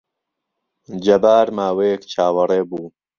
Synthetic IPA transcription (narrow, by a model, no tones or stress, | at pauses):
d͡ʒɐbaːɾmaːweːkt͡ʃʰaːwɐreːbuː